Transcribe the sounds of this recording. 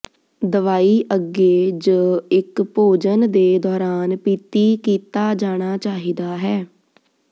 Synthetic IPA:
d̪əʋaːiːʔəɡeːd͡ʒəːɪkpoːd͡ʒənd̪eːd̪ɔːɾaːnpiːt̪iːkiːt̪aːd͡ʒaːɽ̃aːt͡ʃaːɦiːd̪aːɦɛː

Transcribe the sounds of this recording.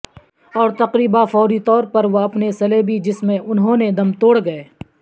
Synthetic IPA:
ɔːɾt̪ɐqɾiːbafɔːɾit̪ɔːɾpɐɾʋoɐpnesɐlebʱid͡ʒɪsmẽʔʊnɦõːned̪ɐmt̪oːɽɡɐeː

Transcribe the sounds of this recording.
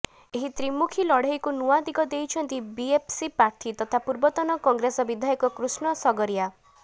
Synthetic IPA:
eɦit̪ɾimukʰilɔɽ̤ajkunuwad̪ikɔd̪ejt͡ʃʰɔnt̪ibiepʰsipɾaɾt̪ʰit̪ɔt̪ʰapuɾbɔt̪ɔnɔkɔŋɡɾesɔbid̪ʱajɔkɔkɾusɳɔsɔɡɔɾija

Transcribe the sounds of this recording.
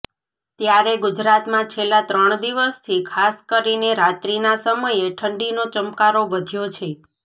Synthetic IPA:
t̪jaɾeɡud͡ʒɾat̪mãt͡ʃʰelːat̪ɾəɳ̃d̪iʋəst̪ʰikʰaskəɾineɾat̪ɾinasəməjeʈʰəɳɖinot͡ʃəmkaɾoʋəd̪ʱjot͡ʃʰe

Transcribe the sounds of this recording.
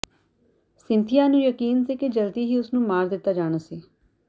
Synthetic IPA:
sɪnt̪ʰijãːnũːjəkiːnsiːkɪd͡ʒəlt̪iːɦiːʊsnũːmaːɾd̪ɪt̪ːaːd͡ʒaːɽ̃aːsiː

